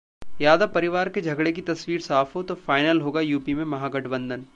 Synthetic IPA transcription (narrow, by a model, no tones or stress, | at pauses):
jaːd̪apɐɾɪʋaːɾked͡ʒʱɐɡɽek̬it̪ɐswiːɾsaːfɦot̪ofaːɪnəlɦoːɡajuːpimẽmɐɦãːɡɐʈʰbə̃nd̪ʱən